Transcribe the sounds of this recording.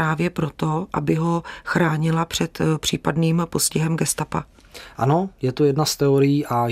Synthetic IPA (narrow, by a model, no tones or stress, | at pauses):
aːvjɛpɾo̞t̪o̞ʔa̰bɪɦo̞xɾaːɲɪlapr̥ɛt̪pr̝̥iːpadniːmpo̞scɪɦɛmɡɛst̪apa | ʔano̞jɛt̪ujɛdnast̪ɛoɾɪjiːʔa